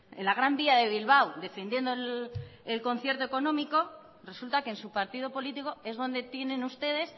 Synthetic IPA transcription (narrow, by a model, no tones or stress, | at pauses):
ḛnlaɣ̞ɾambiaðe̞β̞ilβawd̪e̞fe̞nd̪je̞nd̪olelko̞n̟θje̞ɾt̪o̞e̞ko̞nõ̞miko̞ | re̞sult̪ake̞ːnsupaɾt̪ið̞o̞po̞lit̪iko̞e̞zðo̞nd̪e̞t̪je̞nẽ̞nust̪e̞ðe̞s